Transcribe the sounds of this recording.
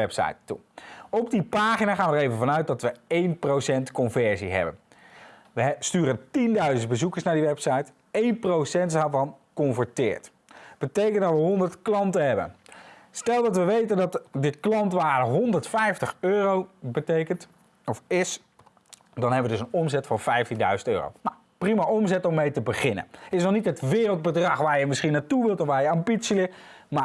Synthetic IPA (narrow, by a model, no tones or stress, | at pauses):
ɛpsɑ̰jtːṵɔbdipaːχinaːχaːnʋədəɹejvənvɑnœɥt̚dɑtʋəejnprowsɛntkɔnvɛɹzḭɦɛ̰bə̰n | ʋəstyːɾəntindœɥzənt̚bəzukəɹsnaːɹdiʋɛpsɑjt | ejnprowsɛntdaːɹvɑnkɔnvəɹtɪ̰ːɹt | b̥ətejkəntdɑtʋəɦɔndəɹtklɑntəɦɛbə̰nstɛlˠdɑtʋəʋejtəndɑtdɪtklɑntʋaːɾəɦɔndəɹtfɛjftəχøːrowbətejkənt | ɔfɪs | dɑnɦɛbəʋədɵsənɔmzɛtfɑnvɛjftindœ̰ɥzəntø̰ːro̰wna | primaʔɔmzɛtɔmːejtəbəχɪnə̰nɪsnɔχnitɦətʋɪːrəlˠd̚bədrɑχʋaːɹjəmɪsχinaːtuʋɪlˠtɔfʋaːɹjəapitsilɪ | ma